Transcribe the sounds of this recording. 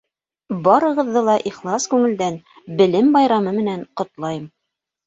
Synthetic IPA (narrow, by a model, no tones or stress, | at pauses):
bɑɾɤ̆ʁɤ̆ðːɤlˠɑʔiχlˠɑskʉŋɘ̆ld̪æn | bɘ̆lɘmbɑjɾɑmɤmɘ̆næɴqŏt̪lˠɑjɤm